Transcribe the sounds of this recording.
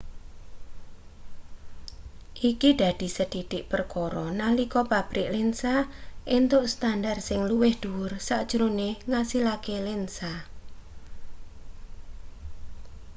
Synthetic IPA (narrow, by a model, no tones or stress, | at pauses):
ʔikiɖ̪̥a̤d̪̥i̤səd̪̥iɖ̪̥ɪʔpərkɔɾɔnalikɔpab̥ɾɪʔlensaʔent̪ʊʔst̪andarsɪŋluwɪhd̪̥uwʊrsaʔd̥ʒ̥ɾoneŋasilakelensa